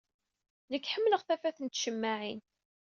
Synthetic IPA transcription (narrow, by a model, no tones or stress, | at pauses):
nəkːħəmːləʁθæfæθənt̪ʃəmːaʕin